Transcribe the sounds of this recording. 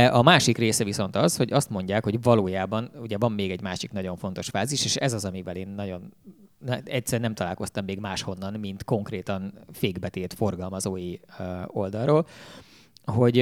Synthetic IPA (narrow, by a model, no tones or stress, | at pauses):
ʔɒmaːʃikreːsɛviso̞nt̪ɒzho̞ɟɒst̪mo̞ɲɟaːkho̞ɟvɒloːjaːbɒnuɟɛvɒmːeːɡɛɟmaːʃiknɒɟo̞ɱfo̞n̪t̪o̞ʃfaːziʃeːʃɛzɒzɒmivɛleːnːɒɟo̞nːɛɛcsɛɾnɛmt̪ɒlaːlko̞st̪ɒmːeːɡmaːʃho̞nːɒnmint̪ko̞ŋkreːt̪ɒnfeːɡbɛt̪eːt̪fo̞rɡɒlmɒzoːjio̞ld̪ɒlroːl | ɦo̞ɟ